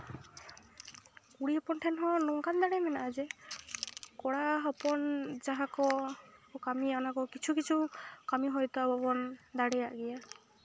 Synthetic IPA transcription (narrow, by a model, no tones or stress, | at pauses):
kuɽiɦɔpɔnʈʰɛnɦɔ̃nɔŋkand̪aɽɛmɛnaʔad͡ʒe | kɔɽaɦɔpɔnd͡ʒaɦãkɔ | kamianakɔkit͡ʃʰukit͡ʃʰukamiɦɔjt̪ɔabɔbɔnd̪aɽɛjaʔɡɛja